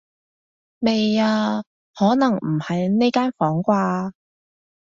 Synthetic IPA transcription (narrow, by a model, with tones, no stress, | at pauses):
me˨jaː˧ | hɔː˨˥nɐ˨˩ŋm̩˨˩hɐ˨jne˥jkaː˥nfɔː˨˥ŋkʷaː˧